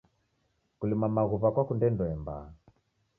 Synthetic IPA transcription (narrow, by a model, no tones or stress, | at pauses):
kulimamaɣuβakwakundɛndɔɛmba̰